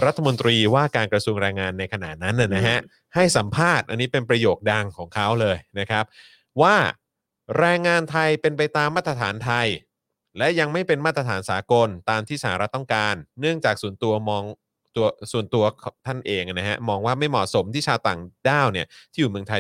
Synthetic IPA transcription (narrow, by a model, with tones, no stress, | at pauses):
ɾa˦˥t̪ʰːmo˧nt̪ɾiː˧waː˥˩kaː˧nkɾa˧su˧ŋɾɛː˧ŋaː˧nːa˧jkʰa˧na̰˨˩t̪̚na˦˥nʔa˨˩na˦˥ɦa˦˥ʔ | ha˥˩jsa˩˦mpʰaː˥˩t̪̚ʔa˧nːiː˦˥pe˧npɾa˧joː˨˩k̚da˧ŋkʰɔː˩˦ŋkʰa˦˥wlɤː˧jna˦˥kʰa˦˥p̚ | waː˥˩ | ɾɛː˧ŋːaː˧nt̪ʰa˧jpe˧npa˧jt̪aː˧mːaː˥˩t̪ːɾa˧t̪ʰaː˩˦nt̪ʰa˧j | lɛ˦˥ja˧ŋma˥˩jpe˧nmaː˥˩t̪ɾa˧t̪ʰaː˩˦nsaː˩˦ko˧nt̪aː˧mt̪ʰiː˥˩sa˧ha̰ː˨˦˩ɾa˦˥t̪ːɔ˥˩ŋkaː˧nːɯ˥˩əŋt͡ɕaː˨˩k̚suː˨˩ənt̪u˧ɐmɔː˧ŋ | t̪u˧ɐsu˨˩ənt̪u˧ɐkʰt̪ʰa˥˩nʔeː˧ŋʔna˦˥ɦa̰˦˥mɔː˧ŋwaː˥˩ma˥˩jmɔ̰˨˩so˩˦mt̪ʰiː˥˩t͡ɕʰaː˧wt̪aː˨˩ŋdaː˥˩wni˥˩ɐt̪ʰiː˥˩juː˨˩mɯ˧əŋt̪ʰa˧j